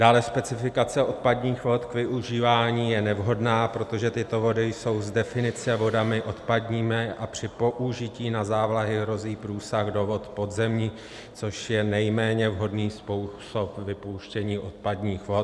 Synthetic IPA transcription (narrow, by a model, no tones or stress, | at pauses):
d̥aːlɛspɛt͡sɪfɪkat͡sɛʔo̞t̪̚padɲiːxvo̞t̪kvɪʔuʒiːvaːɲiːjɛnɛvɦo̞dnaːpɾo̞t̪o̞ʒɛt̪ɪt̪o̞vo̞dɪjso̞wzdɛfɪnɪt͡sɛvo̞damɪʔo̞t̪padɲiːmɛʔapr̝̥ɪpo̞ʔuʒɪciːnazaːvlaɦɪɦɾo̞ziːpɾuːsaɣdo̞vo̞t̪po̞d̪zɛmɲi | t͡so̞ʃjɛnɛjmɛːɲɛvɦo̞dniːspuwso̞pvɪpowʃcɛɲiːʔo̞t̪̚padɲiːxvo̞t̪